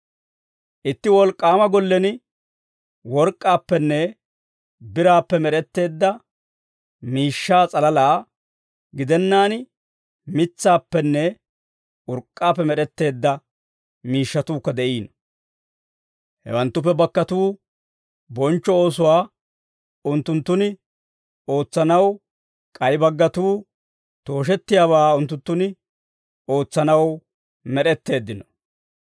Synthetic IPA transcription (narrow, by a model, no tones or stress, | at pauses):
ʔɪt̪ːɪwɔlkʼːaːmɐɡɔlːɛnɪ | wɔɾkʼːaːpːɛnːɛ | bɪɾaːpːɛmɛɾɛt̪ːe̞ːd̪ːɐ | miːʃːaːt͡sʼɐlɐlaː | ɡɪd̪ɛnːaːn | mɪt͡sːaːpːɛnːɛ | ʔʊɾkʼːaːp̬ːɛmɛɾɛt̪ːe̞ːd̪ːɐ | miːʃːɐt̪uːkːɐd̪ɛʔiːnɔ | hɛ̰wɐnt̪ːʊp̬ːɛbɐkːɐt̪uː | bɔnt͡ʃːɔo̞ːsʊwaː | ʊnt̪ːʊnt̪ːʊnɪ | o̞ːt͡sːɐnɐw | kʼɐjbɐɡːɐt̪uː | t̪o̞ːʃ̬ɛt̪ːɪjaːβaːʊnt̪ːʊnt̪ːʊnɪ | o̞ːt͡sːɐnɐw | mɛɗɛt̪ːe̞ːd̪ːɪnɔ̥